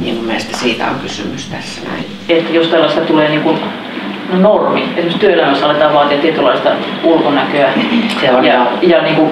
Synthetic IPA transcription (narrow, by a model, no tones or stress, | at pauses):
nḭmummeˑst̪æsiːt̪æ̰o̰ŋkysymyst̪æsːænæ̰i | et̪ːæjost̪ɑilːɑist̪ɑt̪uleːniːŋkun | nonormḭet̪simøst̪yøelæmːæsːɑlet̪ɑːʋɑːt̪iɑt̪iet̪ylːɑist̪ɑ̰ | ulkonækøæseonjɑjɑniːŋku